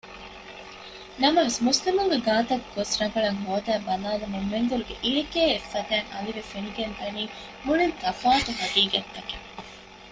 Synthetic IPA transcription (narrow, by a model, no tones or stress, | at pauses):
nɐmɐʋesmuslimuŋɡeɡaːt̪ɐkɡosɾɐɡɐɭɐŋɦoːd̪æːbɐnaːlɐmemːend̪uɾuɡeʔiɾekeːefːɐd̪æːŋɐliʋefeniɡent̪ɐniː | hulint̪ɐfaːt̪uɦɐɡiːɡɐt̪ːɐke